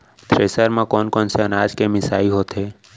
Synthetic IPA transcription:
t̪ʰɾeːsəɾmãkɔːnkɔːnseənaːd͡ʒkemɪsaːiɦoːt̪ɦeː

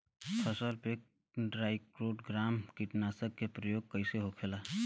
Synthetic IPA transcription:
pʰəsəlpek̚ | ɖɾaːɪkɾoʈɡɾaːmkiʈnaːsəkːepɾəjoːɡ̚kəɪseɦokʰela

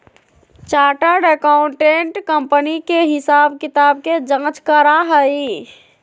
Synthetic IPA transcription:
t͡ʃaʈaɖekaʊɳʈeɳʈkəmpənikeɦɪsabkit̪abked͡ʒãːt͡ʃkəɾaɦəj

